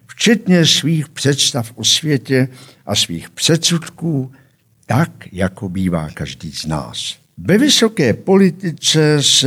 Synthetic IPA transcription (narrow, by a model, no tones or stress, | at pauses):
ft͡ʃɛt̪ɲɛsviːxpr̥ɛt̪st̪afʔosvjɛcɛʔasviːxpr̥ɛt̪t͡sut̪kuː | t̪akjakobiːva̰ːkaʒdiːzna̰ːs | vɛvɪso̞kɛːpo̞lɪt̪ɪt͡sɛs